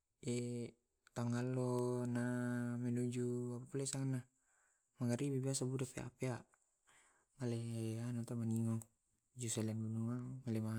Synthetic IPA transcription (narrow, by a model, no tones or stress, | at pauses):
ɛ | t̪aŋalɔnamɛlud͡ʒuapapulaisaŋana | maɡaɾibibiasabudapea̰peaʔ | malɛanɔt̪amaniŋɔ | d͡ʒusɛlɛnbunuamalɛma